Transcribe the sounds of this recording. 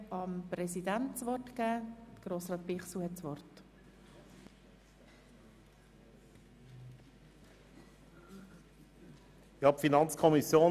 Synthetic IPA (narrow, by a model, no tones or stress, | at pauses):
ɑmpɾɛsidæntt͡sʋɔrtkæːdəɡ̥ɾoːsrɑːt̪̚pɪχsuhɛtt͡sʋɔrt | jɑpfinɑnt͡skʰɔmisjoː